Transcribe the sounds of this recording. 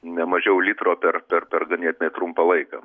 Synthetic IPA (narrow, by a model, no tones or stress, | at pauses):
nʲɛmɐʒʲɛʊlʲiːt̪roːpʲɛrpʲɛrpʲɛrɡɐnʲiɛt̪ʲnʲɛt̪ɾumpɐlˠɐɪkɑ̰ː